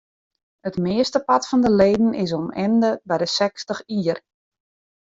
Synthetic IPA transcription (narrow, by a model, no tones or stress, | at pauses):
ətmɪəstəpatfɔndəleːdn̩ɪs̬ɔmɛndəbɛjdəsɛkstəxiːər